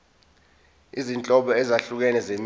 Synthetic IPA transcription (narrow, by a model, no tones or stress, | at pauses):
izint͡ɬʼɔɓɔɛzaɬuk̬ɛnɛzem